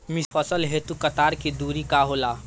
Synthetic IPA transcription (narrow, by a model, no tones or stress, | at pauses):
misfʰɔsəlɦet̪ukət̪aːɾkid̪uːɾikaɦoːlaː